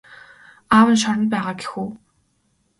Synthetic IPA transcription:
aːwə̆nʃ̬ɔɾɞ̆npæːʁaːɡe̥xuː

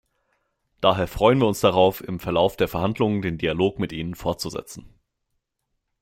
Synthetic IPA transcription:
d̥aːɦeːɐfʁ̥ɔʏənviːɐʊnsd̥aʁaʊfɪmfɛɐlaʊfd̥eːɐfɛɐhandlʊŋəndeːndialoːkmɪtʔiːnənfɔɐt̚t͡suzɛ̰t͡sn̩

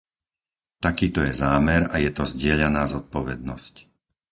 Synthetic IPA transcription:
t̪akiːt̪ɔjɛzaːmɛɾajɛt̪ɔzɟɪɛʎanaːzɔt̪̚pɔʋɛ̰d̪̚nɔsc

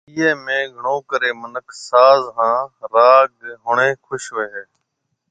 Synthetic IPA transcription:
iːeːmẽːɡʱəɳõːkəɾeːmənəkʰsaːzɦãːɾaːɡɦʊɳẽːkʰʊʃʋeɦeː

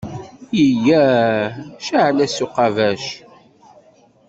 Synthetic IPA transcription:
jəjæ | ʃaʕlæsuqɑvæʃ

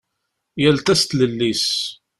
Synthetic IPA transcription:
jælt̪æst̪ləlːis

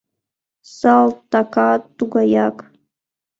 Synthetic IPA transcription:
salttːakʰattːuɡʷajakʼ

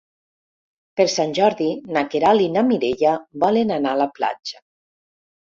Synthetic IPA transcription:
peɾsanʲʒɔɾðinakeɾalinamiɾeʎaβɔlenanalapla̰d͡ʒa

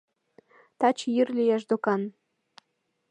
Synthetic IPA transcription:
t̪ɑt͡ɕjyrlʲijeʃd̪okɑn

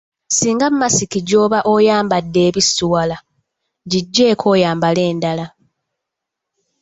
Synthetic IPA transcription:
siːŋɡammasikiɟo̞ːβaʔo̞jaːmbadːe̞ːβisuwala | ɟiɟːe̞ːkʰo̞ːjaːmbale̞ːndala

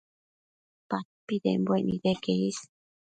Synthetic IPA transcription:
pat̪̚pid̪ḛmbweʔnid̪ekeis

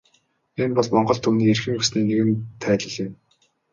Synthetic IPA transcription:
empɔɮmɔɴɢɞ̆ɮt̪ʰumniːerxɘ̆ŋɵsniːneɣɘ̆nt̪ʰːæːtə̆ɮɪ̆m

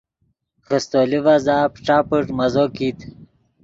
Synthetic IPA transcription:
ɣəst̪olivazaːpʈ͡ʂaːpəʈmɐzokit̪

